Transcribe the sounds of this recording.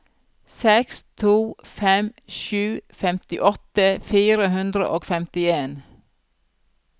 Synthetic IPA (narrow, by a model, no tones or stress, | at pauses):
sɛkst̪ʰuːfɛmʃʉːfɛmt̪ɪʔɔt̪əfiːɾəhʉnd̪ɾə̰ʔoːɡfɛmt̪ɪeːn